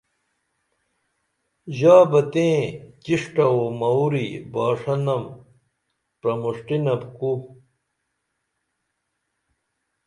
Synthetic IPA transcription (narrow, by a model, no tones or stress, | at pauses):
ʑaːbɐt̪ẽːt͡ɕiʂʈɐomɐwɾibaːʂɐnɐm | pɾɐmuʂʈinɐbku